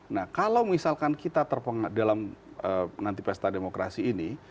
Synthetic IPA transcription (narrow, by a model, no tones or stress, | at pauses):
nahkalawmisalkankit̪at̪ərpəŋadalamənant̪ipɛst̪ademokɾa̰siːni